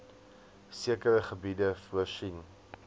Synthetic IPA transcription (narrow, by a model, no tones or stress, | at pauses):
siəkəɾəχəbidəfəʃin